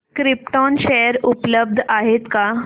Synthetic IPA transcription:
kɾip̚ʈɔnɕejəɾupləb̚d̪ʱaɦet̪ka

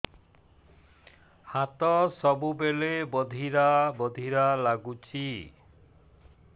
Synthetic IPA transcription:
hat̪ɔsɔbubelebɔd̪ʱiɾabɔd̪ʱiɾalaɡut͡ʃʰi

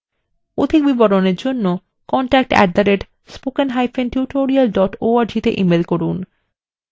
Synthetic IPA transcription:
od̪ʱik̚biboɾoneɾd͡ʑonːo | kɔɳʈɛk̚ʈɛ̰ʈ̚d̪aɾeʈ | spokenɦajfenʈjuʈoɾialɖɔʈoaɾd͡ʑit̪eʔimelkoɾun

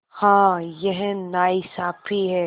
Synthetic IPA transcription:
hãːjɛɦnaːisaːpʰiɦɛː

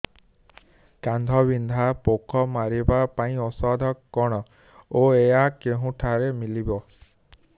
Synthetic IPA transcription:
kand̪ʱɔbind̪ʱapokʰɔmaɾibapaĩɔsɔd̪ʱɔkkːɔɽ̃ɔ | oeakeɦũʈʰaɾemilibɔ

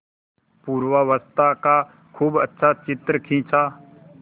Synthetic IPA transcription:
puːɾʋaʋəst̪ʰaka | kʰuːbətːʃʰat͡ʃɪt̪ɾəkʰĩːt͡ʃʰa

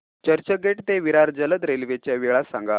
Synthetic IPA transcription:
t͡ɕəɾt͡ɕəɡeʈt̪eʋiɾaɾd͡zələd̪ɾelʋet͡ɕjaʋiɭasa̰ŋɡa

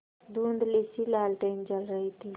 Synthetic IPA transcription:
d̪uːnd̪lesilaːlʈeːnd͡ʒəlɾəɦit̪ʰi

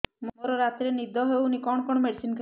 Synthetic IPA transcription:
mmoɾoɾat̪ɾenid̪ʱɔɦoeunikɔnkɔnomeɾsinkʰ

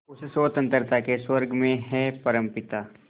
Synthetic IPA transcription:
ʊssoːt̪ə̃nt̪əɾt̪ʰakeswɐɾɡʱmẽɦɛpɐɾə̃mpɪt̪aː

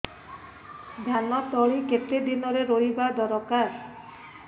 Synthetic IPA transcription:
d̪ʱanɔt̪ɔɭiket̪ed̪inɔɾeɾoɾibad̪ɔɾɔkaɾ

